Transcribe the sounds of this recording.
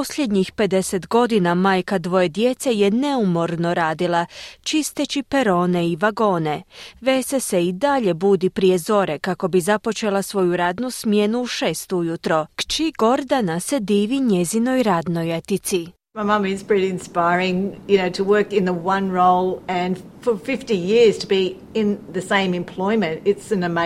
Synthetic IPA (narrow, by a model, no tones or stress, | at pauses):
posʎʲe̞d̪ɲixpe̞d̪e̞se̞t̪ɡo̞d̪inamaːjkad̪ʋo̞je̞d̪je̞t̪se̞je̞ne̞umo̞ɾno̞ɾaːd̪ilˠat͡ʃist̪et͡ʃipeɾo̞ːne̞iʋaɡo̞ːne̞ʋe̞se̞seid̪aʎe̞buːd̪ipɾije̞zo̞ɾe̞kako̞bizapo̞t͡ʃe̞lˠasʋo̞juɾaːd̪nusmje̞nuːʃe̞ːst̪ujut̪ɾo̞kt͡ʃiɡo̞ɾd̪anase̞d̪iːʋiɲezino̞jɾad̪nojet̪it̪si | maɪmɑmɨɪzpɹɪɾiɨ̃nspaɪɹɪ̃ŋjɨnoʊɾəwɜ˞kɨ̃nðəwʌ̃nɹoʊlˠɨ̃nfə˞fɪftijɪɹz̥tʰəbi | ɪ̃nðɨsẽɪ̃mɨ̃mpʰl̥ɔɪmɨ̃ntɪtsɨ̃nɨme